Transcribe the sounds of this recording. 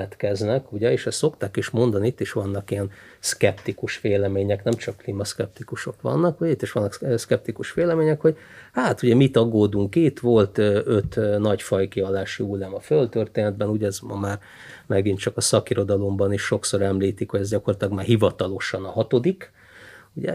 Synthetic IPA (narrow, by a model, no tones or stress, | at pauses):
ɛt̪kɛznɛkuɟɛeːʃɛst̪so̞kt̪aːkeːʃmo̞nd̪ɒniit̪ːiʃʋɒnːɒkijɛnskɛpt̪ikuʃʋeːlɛmeːɲɛknɛmt͡ʃɒkːliːmɒskɛp̚t̪ikuʃo̞kʋɒ̰nːɒkuɟɛit̪ːiʃʋɒnːɒkːskɛp̚t̪ikuʃʋeːlɛmeːɲɛkho̞ɟ | haːt̪uɟɛmit̪ɒɡoːd̪uŋkit̪ʋo̞lt̪øøt̪ːnɒɟfɒjkiɒlːaːʃiulːaːmɒfølt̪ørt̪eːnɛd̪̚bɛnuɟɛzmɒmaːr | mɛɡint̪t͡ʃɒkɒsɒkiɾo̞d̪ɒlo̞mbɒniːʃʃo̞kso̞ɾɛmliːt̪ikhoɟɛzɟɒkorɒt̪lɒɡmaːrɦivɒt̪ɒlo̞ʃɒnɒɦɒt̪o̞d̪ik | uɟɛ̰